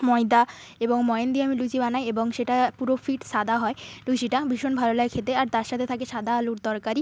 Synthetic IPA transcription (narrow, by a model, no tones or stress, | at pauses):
mɔjd̪a | eboŋmɔjend̪iamilud͡ʑibanajeboŋʃeʈapuɾofiʈʃad̪ʱaɦɔelud͡ʑiʈabʱiʃonbʱalolaekʰet̪eaɾt̪aɾʃat̪ʰet̪ʰakeʃad̪ʱaluɾd̪ɔɾkaɾi